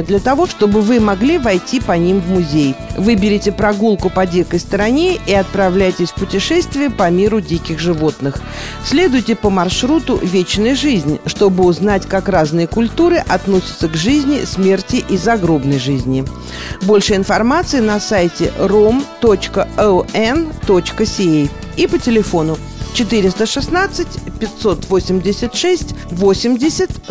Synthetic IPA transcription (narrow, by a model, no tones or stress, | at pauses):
d̪lʲət̪ɐvo̞ʂt̪o̞bɨvɨmɐɡlʲivɐjtʲipɐnʲimvmʊzʲejvɨbʲɪɾʲɪtʲɪpɾɐɡulˠkʊpɐdʲekəjst̪əɾɐnʲeiɐt̪̚pɾɐvlʲæjtʲɪsʲfpʊtʲɪʂɛst̪vʲɪjəpɐmʲiɾʊdʲikʲɪxʐɨvo̞t̪nɨx | sʲlʲe̞d̪ʊjɪtʲɪpəmɐrʂɾut̪ʊvʲet͡ɕnəjʐɨzʲnʲʂt̪o̞bɨʊznatʲkakraznɨjəkʊlʲt̪uɾɨʔɐt̪no̞sʲɪ̥t̪səɡʐɨzʲnʲɪsʲmʲe̞rtʲɪʔizɐɡɾo̞bnəjʐɨzʲnʲɪ | bo̞lʲʂɨjɪnfɐrmat̪sɨɪnɐsajtʲɪ̰romt̪ot͡ɕkəɛɛnt̪o̞t͡ɕkəsʲɪej | ipətʲɪlʲɪfo̞nʊ | t͡ɕɪt̪ɨɾʲɪst̪əʂɨsnat̪sɨtʲpʲɪt̪ʲso̞t̪vo̞sʲɪmʲdʲɪsʲət̪ʂɛsʲtʲvosʲɪmdʲɪsʲət̪ʲ